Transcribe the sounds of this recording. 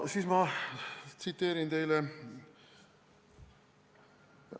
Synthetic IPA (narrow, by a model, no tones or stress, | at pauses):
siːsmɑ | t̪sit̪ːe̞ːɾint̪e̞jlɛ